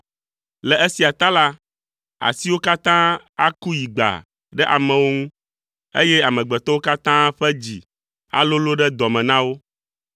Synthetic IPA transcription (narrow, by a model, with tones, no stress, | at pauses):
lɛ˨e˦si˨a˨t̪a˦la˦ | a̰˨si˦wo˦ka˦t̪ã˦ | a̰˦ku˦ji˨ɡ͡ba̰˨ | ɖɛ˦ʔa̰˨mɛ̃˨wo˦ŋũ˦ | ḛ˦jɛ˦a˨mɛ̃˨ɡ͡bɛ˨t̪ɔ˦wo˦ka˦t̪ã˦ɸɛ˦d͡ʑḭ˨ | a̰˨lo˦lo˦ɖɛ˦d̪ɔ˨mɛ̃˨nã˦wo˦